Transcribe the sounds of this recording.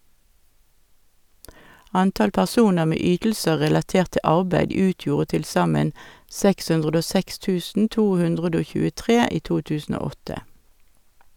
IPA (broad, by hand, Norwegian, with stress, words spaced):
ˈɑntɑl pæʁˈsuːnəʁ ˈmeː ˈyːtl̩sə ʁɛlɑˈteːʁt ˈtɪ ˈɑʁbæɪd ˈʉːtjuːʁə tɪlˈsɑmən ˈsɛks ˈʉndʁəd ˈoː ˈsɛks ˈtʉːsn̩ ˈtuː ˈhʉndʁədə ˈoː çʉːəˈtʁeː ˈiː ˈtuː ˈtʉːsn̩ ˈoː ˈɔtə